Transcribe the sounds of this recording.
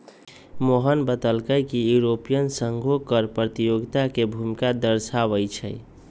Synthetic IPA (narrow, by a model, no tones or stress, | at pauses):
moɦənbət̪əlkəjkijuɾopijənsəŋɡʱokəɾpɾət̪ijoɡt̪akebʱumikad̪əɾsaβəjt͡ʃʰə̰j